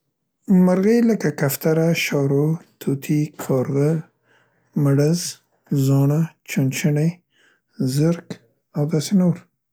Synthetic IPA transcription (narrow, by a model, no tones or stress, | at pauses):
maɾɣəjləkakaft̪aɾaʃɑɾot̪ʰot̪ʰikʰɑɾɣə | maɽəz | zɑɳat͡ʃunt͡ʃəɳej | zəɾk | awd̪ɑsenoɾ